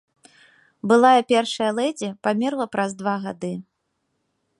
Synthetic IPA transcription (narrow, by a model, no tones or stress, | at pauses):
bɨlˠajɐpʲɛrʂɐjɐlˠɛd͡zʲɛpamʲirlˠɐpɾɐzd̪vaɣad̪ɨ